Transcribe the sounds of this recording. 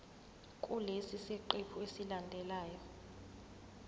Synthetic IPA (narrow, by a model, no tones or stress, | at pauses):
kʼulesiseǃepʰuesilandʱɛlaːjɔ